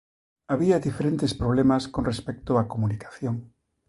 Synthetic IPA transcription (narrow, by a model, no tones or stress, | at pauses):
aβiaðifeɾent̪espɾoβ̞lemaskonrespek̚t̪oakomunikḁθjoŋ